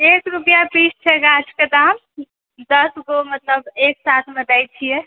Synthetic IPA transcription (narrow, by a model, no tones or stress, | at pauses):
ekɾupijabist͡ʃʰɛɡat͡ʃked̪am | d̪əsɡomət̪ləbeksat̪ʰmed̪ajt͡ʃʰije